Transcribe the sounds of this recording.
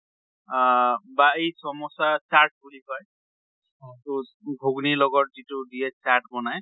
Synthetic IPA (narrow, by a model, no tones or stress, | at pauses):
baejsɔmɔsasaɹʈ̚bulipɔj | itu | bʱuɡnilɔɡɔt̚zitudijɛsaɹʈbɔnaj